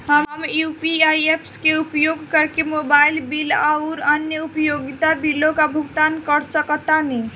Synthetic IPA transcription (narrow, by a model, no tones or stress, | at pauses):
ɦəmɦəmjupiajepskeupjoɡkəɾkemobailbilauɾənjəupəjoɡit̪abilõkabʱuɡt̪ankəɾsəkət̪ani